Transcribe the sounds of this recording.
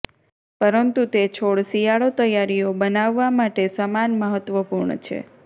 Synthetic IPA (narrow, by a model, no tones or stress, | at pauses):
pəɾənt̪ut̪et͡ʃʰoɭsijaɭot̪əjaɾijobənaʋːamaʈesamanməɦət̪ʋəpuɾɳə̰t͡ʃʰḛ